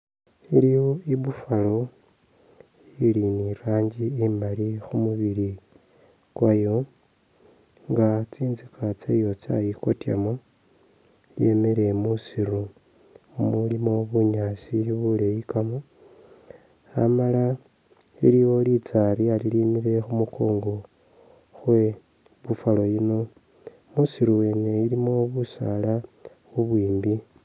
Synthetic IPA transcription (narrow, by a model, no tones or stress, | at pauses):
iliwoiβufalo | iliniɾaːɲɟiːmalixumuβili | kwajo̞ | ŋɡat͡siːnzikʰat͡sejo̞t͡sa̰jiko̞tja̰mo | je̞mele̞musiɾu | mulimo̞βuɲaːsiβulejikamo | amala | ḭliwo̞lit͡saɾialilimiɾe̞xumukʰoːŋɡo | xwe̞ | βufalo̞jino̞ | musiɾuwe̞ːne̞ilimo̞βusa̰la | βuβwiːmbi